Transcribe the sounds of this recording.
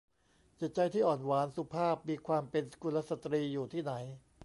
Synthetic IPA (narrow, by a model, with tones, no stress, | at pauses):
t͡ɕi˨˩t̪̚t͡ɕa˧jt̪ʰiː˥˩ʔɔː˨˩nwaː˩˦nsu˦˥pʰaː˥˩p̚miː˧kʰwaː˧mpe˧nsku˧la˦˥sa˧˩t̪ɾiː˧juː˨˩t̪ʰiː˥˩na˩˦j